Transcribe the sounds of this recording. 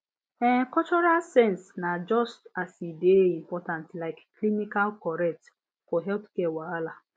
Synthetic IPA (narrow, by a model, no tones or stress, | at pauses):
ɛkɔt͡ʃɔɾalsɛ̃nsnad͡ʒɔstasideim̩pɔtãntlaɪkːlimikalkɔɾɛk̚t | koɦɛlpkɛwaala